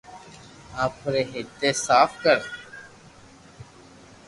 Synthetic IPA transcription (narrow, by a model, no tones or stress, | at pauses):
aːpɾeːɦɪt̪eːsaːfkəɾ